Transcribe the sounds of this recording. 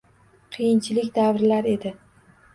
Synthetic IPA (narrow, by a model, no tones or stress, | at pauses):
qʰɨjɪnt͡ʃʰɪlɪkʲd̪avɾlaɾe̞d̪ɪ